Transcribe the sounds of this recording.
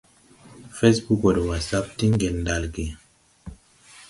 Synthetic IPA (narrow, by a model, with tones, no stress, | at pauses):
fe˦sbu˦ko˨dwa˨sa˦p̚ti˦ŋ˦ɡe˨lnda˦lɡi˨